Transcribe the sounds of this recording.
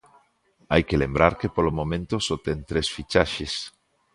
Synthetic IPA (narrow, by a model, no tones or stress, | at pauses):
ajkelembɾaɾkepolomõmẽnt̪osot̪ent̪ɾesfit͡ʃaʃes